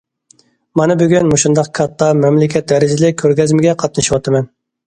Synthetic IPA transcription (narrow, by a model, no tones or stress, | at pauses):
mɑnɨbyɡʲynmuʃund̪ɑqkʰɑt̪ːɑmɛmlɪkʲʰɛt̪̚d̪ɛɾɪd͡ʒɪlɪkʲʰøɾɡʲɛzmɪɡʲɛqʰɑt̪̚nɨʃiwɑt̪ʰɨmɛn